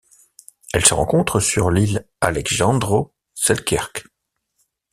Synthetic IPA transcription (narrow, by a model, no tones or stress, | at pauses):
ɛlsəʁɑ̃kɔ̃t̪χəsyʁlil | alɛkʒɑ̃d̪ʁo | sɛlkʲʰɛ̰ʁk